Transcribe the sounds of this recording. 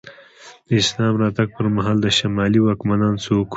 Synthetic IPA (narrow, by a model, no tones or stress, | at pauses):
d̪̥əɪslɑmɾɑt̪aɡ̚pəɾmaɦɑːld̪əʃamɑliwɑkmanɑːnsok